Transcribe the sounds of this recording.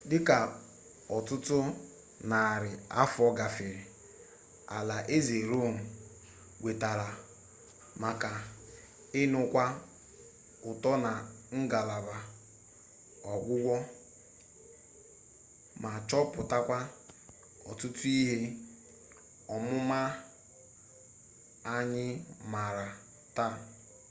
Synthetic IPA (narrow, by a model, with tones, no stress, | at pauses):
dɪ˦ka˨ | ɔ˨tʊ˦tʊ˦ | na˨ɾɪ˨a̰˦fɔ˦ɡa˨fɪ˨ɾɪ˨ | a̰˨la˨ʔe˦ze˨ɾo˦˨nʊ˨ | ɡʷe˨ta˨ɾa˨ | ma˨ka˨ | ɪ˦nʊ˦kʷa˦ | ʊ˨tɔ˦na˨ŋ̩˦ɡa˨la˨ba˨ | ɔ˨ɡʷʊ˦ɡʷɔ˦ | ma˨t͡ʃɔ˦pʊ˨ta˦kʷa˦ | ɔ˨tu˦tu˦i˦ɦe˦ | ɔ˨mʊ˦ma˦ | a˦ɲɪ˦ma˨ɾa˨ | ta˦˨